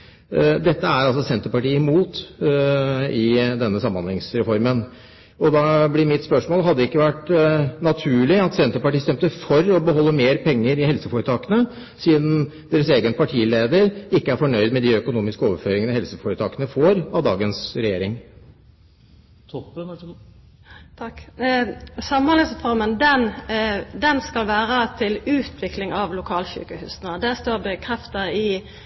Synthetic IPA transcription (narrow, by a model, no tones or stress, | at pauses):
d̪ɛt̪ːəæɾɑlsɔsɛnt̪əɾpɑʈiːmuːt̪ | ɪd̪ɛnːəsɑmːɑnlɪŋsɾɛfɔɾmən | ɔd̪ɑblɪmɪt̪spœʂmoːlɦɑd̪ːəɪkːəʋæʈnɑt̪ʰʉːɭɪɑt̪sɛnt̪əɾpɑʈiːst̪ɛmt̪əfɔɾɔbəɦɔlːəmeːɾpʰɛŋːəɾɪhɛlsəfoːɾət̪ʰɑːkənə | siːd̪n̩ | d̪eːɾəseːɡənpʰɑʈʰiːleːd̪əɾɪkːəæɾfɔɳœʏd̪mɛd̪ɪœkʊnuːmɪskəoːʋəɾføːɾɪŋənəhɛlsəfoːɾət̪ʰɑːkənəfoːɾɑʋd̪ɑːɡənsɾɛjeːɾɪŋ | t̪ʰɔpː | t̪ | sɑmnɑləsfɔʁmənd̪ɛn | d̪ɛnskɑlʋæːʁət̪ʰɪlʉːt̪ʰʋɪklɪŋɑʋlʊkʰɑːlçy̰ːkəhʉ̰ːsnəd̪æːst̪oːʁd̪ɛkʰʁɛft̪əɪ